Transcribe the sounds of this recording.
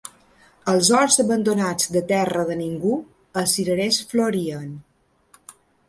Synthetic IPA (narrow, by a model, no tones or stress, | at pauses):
əlˠzɔɾzəβənd̪unad͡zd̪ət̪ɛrəðəniŋɡu | əsiɾəɾesfloɾiən